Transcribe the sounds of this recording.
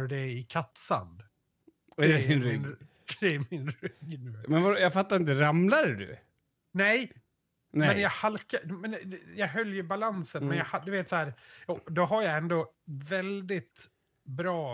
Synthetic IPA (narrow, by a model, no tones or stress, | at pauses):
ɖɛɪkʰat̪sa̰nd̪ | d̪ɛɪnɾɪn | d̪ɛmɪnɾʏɡːnʉːmɛnvajafat̪ːaɾɪnt̪̬əɾamlaɾɛd̪ʉ̰ | nɛj | nɛmɛnjaɡhalkamɛnjɑːɡɦœljɵbalansənmɛnjaɡhad̪ɵveːt̪shæːɾɔd̪ɔɦaɾjaɛnd̪o | vɛld̪ɪt̪ | bɾɑː